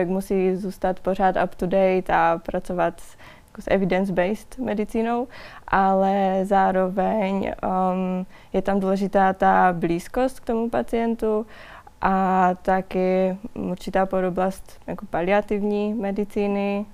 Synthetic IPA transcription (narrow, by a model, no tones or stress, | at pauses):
ɛkmusiːzuːst̪at̪por̝aːt̪apt̪udɛjt̪apɾat͡sovat̪s | jakosʔɛ̰vɪdɛnzbɛjst̪mɛdɪt͡siːno̞wʔalɛzaːɾovɛɲ | jɛt̪amduːlɛʒɪt̪aːt̪abliːsko̞st̪k̚t̪o̞mupat͡sɪjɛnt̪u | ʔat̪akɪuɾt͡ʃɪt̪aːpodoblast̪jakopalɪat̪ɪvɲiːmɛdɪt͡siːnɪ